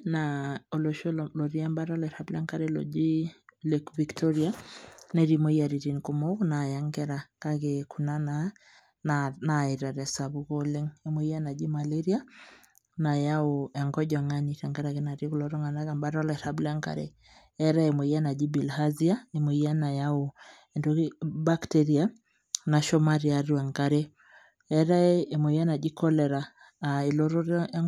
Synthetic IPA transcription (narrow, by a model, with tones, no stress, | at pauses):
nao˨lo˨ʃo˦lo˨ɾi˦ɛ˦mba˦ɾɔ˦lɛ˨ɾa˦bla˦ŋka˦ɾe˦lɔ̰˨d͡ʒi˦le˨kvi˨ktɔ˦ɾi˦a˦nɛ˨ɾi˨mo˦i˦a˨ɾi˨ɾi˨nko˨mo˦kna˨ja˦ŋɡɛ˦ɾa˨ka˦ke˨kʰu˨na˦na | nana˨i˨ɾa˨ɾɛ˨sa˨βu˦kole˦ŋe˦mo˦i˦a˦na˨d͡ʒi˦ma˨le˦ɾi˦a˦ | na˨ja˦o˨ɛ˨ŋɡɔ˦ɟɔ˨ŋa˦ni˨ta˨ŋɡa˦ɾa˨ke˦na˨ɾi˦ku˨lɔ˨ɾɔ˦ŋa˨na˦ka˨mba˦ɾɔ˦la˨ɛ˨ɾabla˦ŋka̰˨ɾḛ˨ | ɛ˦ɾa˦e˨mo˨i˦a˦na˨d͡ʒi˦bi˨lha˦zi˦a˦e˨mo˨i˦a˦na˨ja˦o˨ | ɛ˨ndokiba˦ktɛɾi˦a˦ | na˨ʃɔ˦ma˦ɾi˨a˨ɾi˦a˨ŋɡa˦ɾe˦ | ɛɾa˦e˦emo˨i˦a˦na˨d͡ʒi˦kɔ˦lɛ˨ɾa˨ | e˨lo˦ɾo˦ɾ